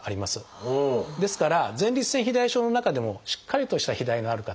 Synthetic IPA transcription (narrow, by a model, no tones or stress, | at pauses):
aɾʲimasɨ | d̪e̞sɨ̥kaɾazẽ̞nʲɾʲit͡sɨ̥sẽçʲid̪aiɕo̞ːno̞nakad̪e̞mo̞ɕi̥kʰːaɾʲit̪o̞ɕi̥t̪açid̪aino̞aɾɯ̟ka